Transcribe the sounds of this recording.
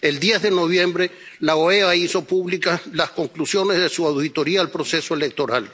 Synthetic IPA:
e̞ld̪jezðe̞no̞β̞je̞mbɾe̞ | laoeaiso̞puβlikaslasko̞ŋklusjo̞ne̞zðesuawðit̪o̞ɾiaːlpɾo̞se̞soele̞k̚t̪o̞ɾal

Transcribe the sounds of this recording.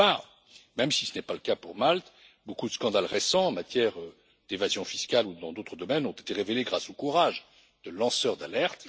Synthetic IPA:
aʁ | mɛmsi̥sənɛpaləkapuʁmalt̪ | bokud̪əskɑ̃d̪alʁesɑ̃ɑ̃mat̪jɛʁø | d̪̥evazjɔ̃fi̥skalud̪ɑ̃d̪ot̪χəd̪ɔmɛnɔ̃t̪e̥t̪eʁeveleɡʁasokuʁaʒ | d̪̥əlɑ̃sœʁd̪alɛʁt̪

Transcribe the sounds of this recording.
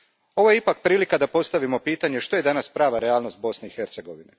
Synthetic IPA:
o̞ʋojeipak̚pɾiːlikad̪apo̞st̪aʋimo̞piːt̪aɲeʃt̪o̞je̞d̪anaspɾaːʋaɾeaːlˠno̞st̪̚bo̞sne̞ixeɾt̪se̞ɡo̞ʋine

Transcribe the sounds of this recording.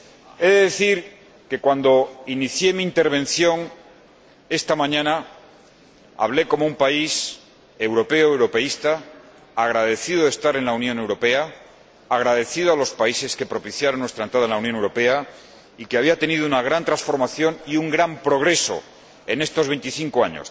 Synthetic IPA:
e̞ðeðeθiɾ | ke̞kwand̪o̞iniθje̞miːnt̪e̞ɾβ̞ẽ̞nθjo̞ŋ | e̞st̪amãɲãna | a̰β̞le̞ko̞moumpais | e̞wɾo̞pe̞oewɾo̞pe̞ist̪aː | ɣɾaðe̞θiðoðest̪aɾe̞nlaunjõne̞wɾo̞pe̞aː | ɣ̞ɾaðe̞θiðoalo̞spaise̞ske̞pɾo̞piθjaɾonwe̞st̪ɾaent̪ɾaðaenlaunjonewɾo̞pe̞a | ike̞aβ̞iat̪e̞nið̞ounaɣ̞ɾant̪ɾansfo̞ɾmaθjo̞niuŋɡɾampɾo̞ɣɾe̞so̞̰ | e̞ne̞st̪o̞zβe̞nt̪iθiŋkoaɲo̰s

